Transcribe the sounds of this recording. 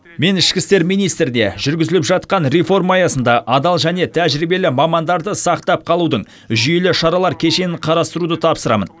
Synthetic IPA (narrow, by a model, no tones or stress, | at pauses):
me̞nɪʃkʲɪst̪e̞ɾmijnijst̪ɾɪne̞̰ʒʏɾɡʲɪzɪlɪpʒɑt̪qɑnɾefo̞rmɑːjɑsənd̪ɑʔɑd̪ɑlˠʒæne̞t̪ʰæʒɾibe̞lɪmɑmɑnd̪ɑɾd̪əsɑqt̪ɑp̚qʰɑlˠud̪əɴ | ʒʏje̞lɪʃɑɾɑlˠɑɾkʲʰe̞ʃe̞nɪɴqʰɑɾɑst̪əɾud̪ət̪ʰɑpsəɾɑ̰mə̰n